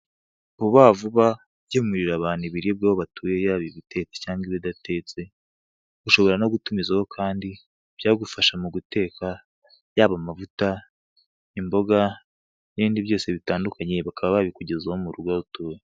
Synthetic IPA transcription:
buβaːvuβa | bɟemuɾiɾaβaːn̥uβiɾib̚ɡaβoβatʰuːje̞jaːβiβite̞t͡secaːŋɡiβidate̞t͡se̞ | ɡ̥uʃo̞βo̞ɾano̞ɡutumizaho̞kʰaːndi | b̥jaːɡufaʃamuɡute̞ːka | jaːβamavuta | imbo̞ɡa | niβiːndiβjo̞ːse̞βitaːndukaɲe̞βakaβaβaβikuɟe̞zahomuɾuɾɡwautuːje

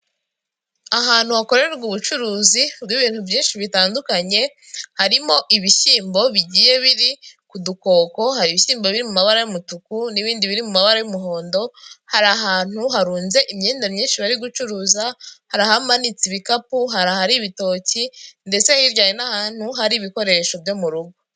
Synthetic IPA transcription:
aɦaːn̥huhako̞ɾe̞ɾeβɡuβut͡ʃuɾuːziubɡiβiːn̥huvjiːnʃiβitaːndukaɲe̞ | haɾimo̞ʔiβiʃiːmbo̞βiɟiːje̞βiɾikuduko̞ːko̞haɾiβiʃiːmbo̞βiɾimumaβaɾajomutukuniβiːndiβiɾimumaβaɾajomuɦo̞ːndo̞haɾaɦaːn̥huɦaɾuːnze̞ʔimɲeːndamɲiːnʃiβaɾiɡut͡ʃuɾuːzahaɾahamanit͡siβikapuɦaɾahaɾiβito̞ːcinde̞t͡se̞hiɾɟaːjenahaːn̥huɦaɾiβiko̞ɾe̞ʃo̞vjo̞muɾuɡo

